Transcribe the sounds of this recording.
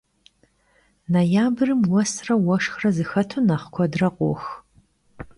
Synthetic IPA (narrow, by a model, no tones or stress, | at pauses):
nɐjaːbɨrɨmwɔsrɐwɐʂxrɐzɨxɐtʰunɐχkʷʰɔdrɐqʷʼo̰x